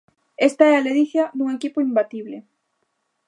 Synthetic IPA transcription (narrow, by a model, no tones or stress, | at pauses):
est̪aɛaleðiθjanuŋekipoimbat̪iβ̞le